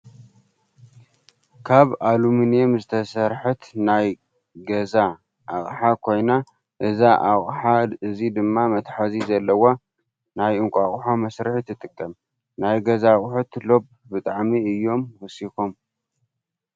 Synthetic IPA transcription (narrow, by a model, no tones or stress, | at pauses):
kʰaβaluminijemzɨt̪ʰɐsɐɾħɨt̪naj | ɡɐza | ʔaχʼħakʰo̞jna | ʔɨzaʔaχʼħaɨzid̪ɨmːamɐt̪ħazizɐlːɐwa | najɨŋkʷʼaχʼħomɐsɾɨħt̪ʰːɨt̪ʼɨkʼːɐm | najɡɐzaχʼħot̪lo̞b̚ | bɨt̪ʼaʕmiɨjːo̞mwɔsikom